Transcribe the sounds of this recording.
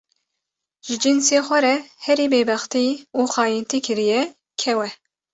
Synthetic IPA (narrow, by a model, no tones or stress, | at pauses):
ʒ̥ɪd͡ʒɪnseːxʷɛɾɛhɛɾiːbeːbɛxt̪iːuːxɑːjint̪iːkʰɨɾijɛ | kʰɛwɛ